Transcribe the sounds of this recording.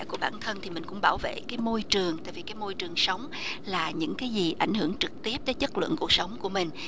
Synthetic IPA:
ku˧˩əɓaː˧˩nt̪ʰə˧nt̪ʰi˨˩mï˨˩ŋ̟kʊ̰˧˥ŋ͡mɓaː˧˩wvḛ˧˨kaː˨˦jmo˧jt͡ɕɨ˨˩əŋt̪a̰ː˧˨vi˨˩kaː˨˦jmo˧jt͡ɕɨ˨˩əŋsə˨˦wŋ͡m | laː˨˩ɲɨ̰˧˥ŋkaː˨˦jzi˨˩ʔa˧˩jŋ̟hɨ˧˩əŋt͡ɕɨ˨˩k̚t̪i˦˥əp̚t̪əː˨˦jt͡ɕə˦˥t̚lɨ̰˧˨ənku˨˩ək̚sə˨˦wŋ͡mku˧˩əmï˨˩ŋ̟

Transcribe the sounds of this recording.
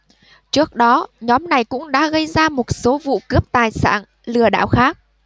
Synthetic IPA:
t͡ɕɨ˦˥ək̚ɗɔ˨˦ɲɔ˨˦mna˨˩jkʊ̰˧˥ŋ͡mɗa̰ː˧˥ɣə˧jzaː˧mo˨˩t̚so˨˦vṵ˧˨kɨ˦˥əp̚t̪aː˨˩jsa̰ː˧˩n | lɨ˨˩əɗa̰ː˧˨wxaː˦˥k̚

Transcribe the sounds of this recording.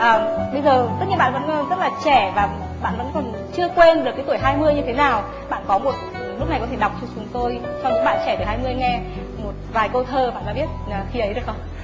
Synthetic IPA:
ʔəː˨˩ɓə˧jzəː˨˩t̪ə˦˥t̚ɲi˧˨˩ɓa̰ː˧˨˩və˧˥nː˧zə˦˥t̚laː˨˩t͡ɕɛ˧˩vaː˨˩ | ɓa̰ː˧˨nvə̰˧˥nkɔ˨˩n | t͡ɕɨ˧əkwe˧nɗɨ˨˩kːaː˨˦t̪u˧˩əjɦaː˧jmɨ˧əjɲɨ˧t̪ʰe˨˦naː˨˩w | ɓa̰ː˧˨nkɔ˨˦mo˨˩t̚ːnlk͡p̚n˨˩kɔ˨˦t̪ʰe˧˩ɗa˨˩wk͡p̚t͡ɕɔ˧t͡ɕʊ˨˦ŋ͡mt̪o˧j | t͡ɕɔ˧ɲɨ̰˧˥ŋɓa̰ː˧˨nt͡ɕɛ˧˩t̪ːhaː˧jmɨ˧əjŋɛ˧ | mo˨˩t̚vaː˨˩jkə˧t̪ʰəː˧˩ɓa̰ː˧˨nʔa̰ː˧˦ɓi˦˥t̚əː˨˩xi˧˦ʔə˨˦jɗɨ˨˩əkxə˧ŋ͡m

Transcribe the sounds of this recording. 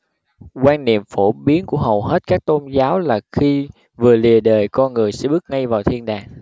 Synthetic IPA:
kwaː˧nnḭ˨əmfo˧˩ɓi˨˦ənku˧˩əɦə˨˩wɦe˦˥t̚kaː˦˥k̚t̪o˧nzaː˨˦wlaː˨˩xi˧ | vɨ˨˩əli˨˩əɗəː˨˩jkɔ˧nŋɨ˨˩əjsɛ̰˧˥ɓɨ˦˥ək̚ŋa˧jvaː˨˩wt̪ʰi˧ənɗa̰ː˨˩ŋ

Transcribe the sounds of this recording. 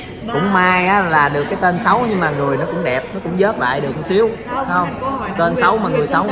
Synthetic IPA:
kʊ̰˧˥ŋ͡mmaː˧jʔaː˨˦laː˨˩ɗɨ˨˩əkːaː˨˦jt̪e˧nsə˨˦wɲɨ˧ŋmaː˨˩ŋɨ˨˩əjnɔ˨˦kʊ̰˧˥ŋ͡mɗɛ˨˩p̚nɔ˨˦kʊ̰˧˥ŋ͡mzəː˦˥t̚la̰ː˧˨jɗɨ˨˩əksi˨˦əwa˨˦hə˧wŋ͡mt̪e˧nsa˨˦wmaː˨˩ŋɨ˨˩əjsa˨˦w

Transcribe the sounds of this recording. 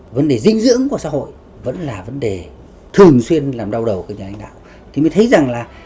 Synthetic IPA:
və˨˦nɗe˨˩zï˧ŋ̟zɨ̰˧˥əŋku˧˩əsa̰˧˥ho̰˧˨j | və̰˧˥nlaː˨˩və˨˦nɗe˨˩ | t̪ʰɨ˨˩əŋswi˧ənlaː˨˩mɗa˧wɗə˨˩wkːwɲaː˨˩l̰ŋ̟ɗa̰ː˧˨w | t̪i˨˩məː˨˦t̪ʰjza˨˩ŋlaː˨˩

